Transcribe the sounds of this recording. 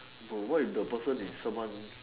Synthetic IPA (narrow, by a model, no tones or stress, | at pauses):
bəwaɪifdəpəsə̃nissãmwãn